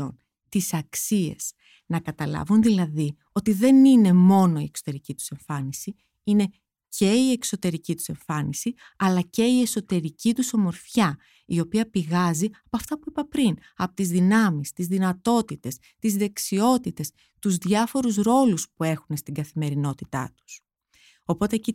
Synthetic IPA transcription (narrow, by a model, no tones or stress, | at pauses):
o̰n | t̪isɐksie̞̰s | nɐkɐt̪ɐlɐ̰vunðilɐði | o̞t̪iðe̞nine̞mo̞no̞ie̞kso̞t̪e̞ɾicit̪u̥se̞ɱfɐnisi | ine̞ | ce̞ie̞kso̞t̪e̞ɾicit̪u̥se̞ɱfɐnisi | ɐlɐce̞ie̞so̞t̪e̞ɾicit̪uso̞mo̞ɾfçɐ | io̞piɐpiɣɐziɐpoɐft̪ɐpuipɐpɾin | ɐpot̪izðinɐmist̪izðinɐt̪o̞t̪it̪e̞s | t̪izðe̞ksio̞t̪it̪e̞s | t̪uzðʝɐfo̞ɾuzɾo̞luspue̞xune̞st̪iɡɐθime̞ɾino̞t̪it̪ɐ̰t̪u̥s | o̞po̞t̪eci